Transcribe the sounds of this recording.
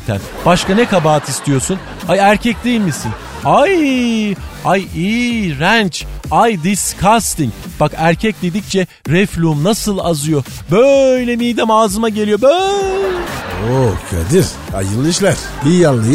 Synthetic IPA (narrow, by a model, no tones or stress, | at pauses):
t̪ʰæ̰n | b̥aʃkanɛkabaːt̪ʰist̪ʰijo̞sun | ajæɾcʰɛc̚d̪iilʲmisin | aj | ajiːɾænt͡ʃajd̪iskʰast̪iŋcb̥akæɾcʰɛc̚d̪e̞d̪ic̚t͡ʃʰɛ | ɾɛflʲumnasɯlˠazɯjo̞ | bøjlʲɛmid̪ɛmaːzɯmaɟelʲijo̞bø | okʰa̰d̪iɾ | a̰jɯlˠːɯʃlˠaɾ̥ijjalːˠaj